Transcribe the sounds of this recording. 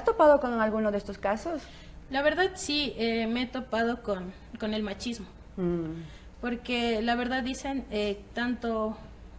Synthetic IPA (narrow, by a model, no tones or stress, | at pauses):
ast̪opaðokonalɣunozðest̪oskasos | laβe̞ɾðaðsiemeet̪o̞pað̞o̞kon | ko̞ne̞lmat͡ʃizmo | po̞ɾke̞laβe̞ɾðaððise̞net̪ant̪o̞